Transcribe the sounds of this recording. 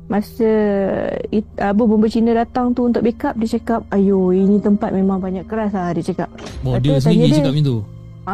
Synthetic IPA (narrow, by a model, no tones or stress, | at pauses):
masə | iabəməmbət͡ʃinadat̪aŋt̪uunt̪ʊk̚bekap̚dit͡ʃakap̚ajoinĩt̪əmpat̪̚mẽmãŋbaɲakːəɾaslahdit͡ʃakap̚adsaɲət͡ʃakap̚it̪u | a